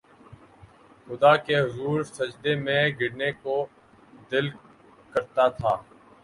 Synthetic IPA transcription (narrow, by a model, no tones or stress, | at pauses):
xʊd̪aːkeɦʊzuːɾsəd͡ʒd̪emẽɡɪɽneko | d̪ɪl | kəɾt̪at̪ʰaː